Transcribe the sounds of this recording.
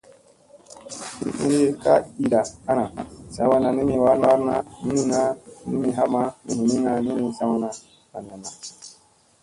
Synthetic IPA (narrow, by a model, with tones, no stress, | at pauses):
hḭ˦ʔḭ˦ɾi˦ka̰˦i˨da˨a˦na˨sa˨˦wa˦na˨ni˦mi˨wa˦ɾn˦a˦ɾna̰˦ni˦ni˦ŋa˦ni˦mi˨ɦa˦ma˦ni˨hi˨ni˦ŋa˨ni˦mi˨sa˦wu˦na˨ | ka˨n˨a˨na˨